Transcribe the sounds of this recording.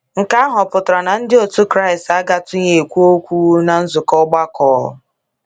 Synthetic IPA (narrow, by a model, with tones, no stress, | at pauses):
ŋ̩˨ka˦a˦ɦɔ˨pʊ˨tɾa˨na˨n̩˦dɪ˦o˨tu˦kɾa˦ɪ˨sta˦ɡa˦tʊ˦ɲe˨kʷu˦o˦kʷu˦u˦na˨n̩˦zʊ˨kɔ˦ɡ͡ba˦kɔ̰ː˨˦